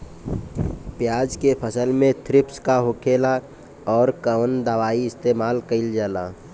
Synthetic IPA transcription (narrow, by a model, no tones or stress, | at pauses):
pjaːd͡ʒkepʰəsəlmẽt̪ʰɾɪpskaɦʊkʰeːla | ɔːɾkəʋənd̪əʋaːiɪst̪eːmaːlkəɪld͡ʒaːla̰ː